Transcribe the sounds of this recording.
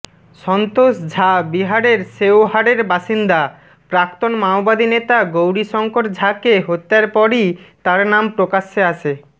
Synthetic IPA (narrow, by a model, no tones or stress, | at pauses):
ʃɔnt̪oʃd͡ʑʱabiɦaɽeɾsewɦaɽeɾbaʃind̪a | pɾakt̪onmaobad̪ʱinet̪aɡowɾiʃɔŋkoɾd͡ʑʱakeɦot̪ːaɾpɔɾit̪aɾnampɾokaʃeaʃʰe